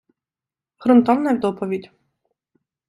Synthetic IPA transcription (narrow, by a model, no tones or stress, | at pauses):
xɾɔnt̪ɔnnɐwd̪ɔpɔʋʲidʲ